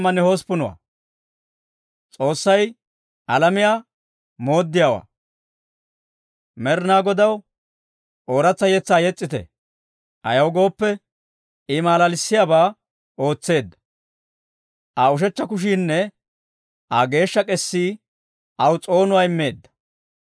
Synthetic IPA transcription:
mːɐnːɛhospʊnʊwa̰ː | t͡sʼo̞ːsːɐj | ʔɐlɐmɪjaː | mo̞ːd̪ːɪjaːwa̰ː | mɛɾnaːɡɔd̪ɐw | ʔoːɾɐt͡sːɐjɛt͡sːaːjɛt͡sʼːɪt̪ɛ̰ | ʔɐ̰jɐwɡo̞ːpːɛ | ɪmaːlɐlɪsːɪjaːbaː | o̞ːt͡sːe̞ːd̪ːɐ̥ | ʔɐʊʃ̬ɛt͡ʃːɐkʊʃ̬iːnːɛ | ʔɐɡe̞ːʃːɐkʼɛsːiː | ʔɐwt͡sʼo̞ːnʊwaːɪmːeːd̪ːɐ̥

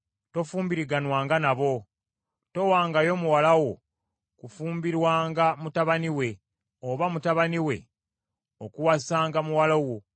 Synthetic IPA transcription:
to̞fuːmbiɾiɡanwaːŋɡanaβo̞ | to̞waːŋɡajo̞muwalawo̞ | kufuːmbiɾwaːŋɡamutaβaniwe̞ | oβamutaβaniwe̞ | okuwasaːŋɡamuwalawo

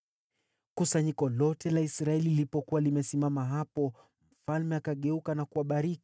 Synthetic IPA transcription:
kusaɲikɔlɔtʰɛlaisɾaɛlilipɔkuwalimɛsimamaɦapɔ | m̩falmɛakaɠɛukanakuaɓaɾiki̥

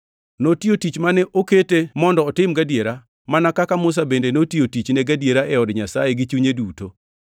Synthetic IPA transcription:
notiotit͡ʃmanɛʔoketemɔndɔːtɪmɡadjeɾa | manakakamʊs̬abendenotiotit͡ʃnɛɡadjeɾaʔɛɔdɲasajeɡɪt͡ʃuɲeduto

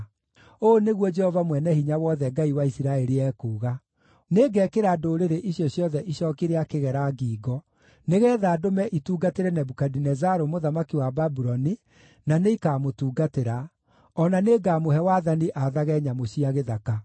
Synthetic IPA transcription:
oːneɣwɔd͡ʒɛhɔvamwɛnɛhiɲawɔðɛɡaiwaisiɾaɛɾiɛkuːɣa | neːɡɛːkeɾadoːɾeɾeʔiɕjɔɕjɔðɛʔiɕɔkeɾeakeɣɛɾaɡiːɡɔ | neɣɛːðaːdomɛʔituːɡateɾɛnɛbukadinɛzaɾomoðamakiwababuɾɔni | naneikaːmotuːɡateɾa | ɔnaneɡamoɦɛwaːðaniʔaðaɣɛɲamoɕiaɣeðaka

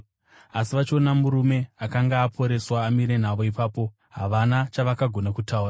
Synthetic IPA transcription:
asiʋat͡ʃo̞namuɾume̞akaŋɡaːpʰo̞ɾe̞swaːmiɾe̞n̤aʋo̞ipaːpo̞ | ɦaʋanat͡ʃaʋakaɡʱo̞nakutʰauːra

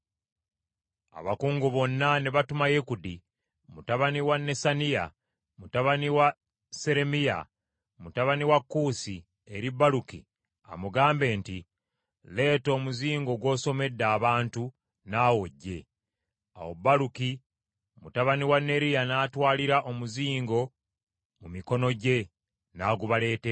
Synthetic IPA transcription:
a̰βakuːŋɡoβo̞nːaneβatumajekudi | mutaβaniwanːe̞sanija̰ | mutaβaniwa | se̞ɾe̞mija̰ | mutaβaniwakːusi | e̞ɾibːalukḭ | a̰muɡaːmbe̞ːnti | le̞ːto̞ːmuziːŋɡo̞ɡwo̞ːso̞me̞dːaːβaːntu | naːwo̞ɟːe̞ | a̰wobaluki | mutaβaniwanːe̞ɾijanaːtwaːliɾaʔo̞muziːŋɡo̞ | mumiko̞no̞ɟe̞ | naːɡuβale̞ːte

